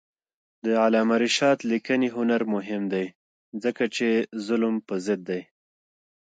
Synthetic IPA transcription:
d̪əalɑmaɾiʃɑt̪likəniɦʊnaɾmʊɦɪmd̪aj | zəkat͡ʃezʊlmpəzɪd̪̚ːaj

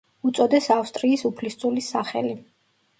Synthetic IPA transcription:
ut̪sʼɔd̪ɛsafst̪ʼɾiːsupʰlist̪sʼulisaχɛ̰li

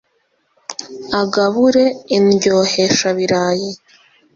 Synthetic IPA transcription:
aɡaβuɾe̞inɟo̞ːheʃaβiɾaːji

